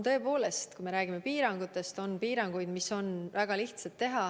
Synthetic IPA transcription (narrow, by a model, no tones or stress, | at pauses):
t̪ɤ̞e̞po̞ːle̞st̪kujmeɾæːɡ̥ime̞piːɾɑŋɡ̥ut̪ːˑe̞st̪o̞npiːɾɑŋɡ̥ujd̪miso̞nvæɡ̥ɑliht̪sɑt̪ːe̞ɦɑ